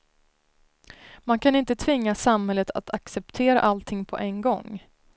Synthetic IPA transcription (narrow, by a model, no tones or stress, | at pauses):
mankʰanɪnt̪ət̪ʰvɪŋːasamhɛlːət̪ʰa̰t̪ʰaksɛp̚t̪ʰeːɾa̰ʔalt̪ʰɪŋpʰɔ̰ʔɛnɡɔŋː